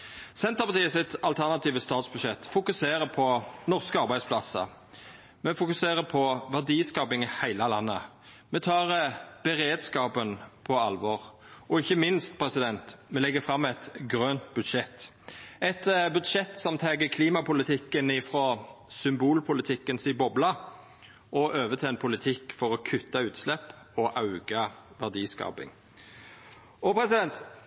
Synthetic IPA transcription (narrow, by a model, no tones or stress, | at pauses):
sɛnt̪ʁəpɑt̪iːəsɪt̪ɑlt̪ʰæʁnɑt̪iːʋəst̪ɑːt̪sbʉd̪ʃɛt̪ːfʊkʉseːɾəpʰɔnɔʁskəɑɾbæɪd̪spʰlɑsə̰ | mɛfʊkʉseːʁəpʰɔʋæʁd̪iːskɑːpɪŋhæɪləlɑnːə̰ | mɛt̪ʰɑːʁəb̥ɛɾeːd̪skɑːpənpʰɔɑlʋɔːʁ | ʔɔɪçəmɪnst̪̚pʰɾɛsɪd̪ɛnt̪mɛlɛɡːəfʁɑmːɛt̪ɡɾøːnt̪̚bʉd̪ʃɛt̪ː | ɛt̪bʉd̪ʃɛt̪ːsɔmt̪ʰɛːɡəkʰliːmɑpʊlɪt̪ʰɪkːənɪfɾɔsʏmbuːlpʰʊlɪt̪ʰɪkːənsɪbɔblɑ | ʔɔʔøːʋət̪ʰɛɛnpʰʊlɪt̪ʰɪkːfɔʁɔkʰʉt̪ːɑʉːt̪slɛpː | ɔʔɑʉɡɑʋæʁd̪iːskɑ̰ːpɪ̰ŋ | ɔpʰɾɛsɪd̪ɛnt̪